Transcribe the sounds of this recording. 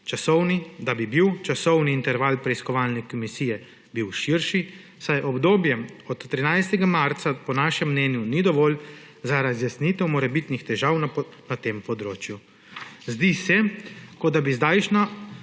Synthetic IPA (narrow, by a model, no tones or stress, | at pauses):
t͡ʃasɔwnid̪abibiwt͡ʃasɔwniːnt̪ɛɾʋalpɾɛiskɔʋaːlnɛkɔmisiːjɛ | biwʃiɾʃi | sajʔɔbd̪oːbjɛɔt̪t̪ːɾinajst̪ɛɡamaɾt̪sapɔnaːʃɛmːnɛːnjunid̪ɔʋɔːl | zaɾazjasniːt̪ɛwmɔɾɛbit̪nixt̪ɛʒaːwna | nat̪eːmpɔd̪ɾoːt͡ʃju | zd̪isɛkɔd̪abizd̪ajʃna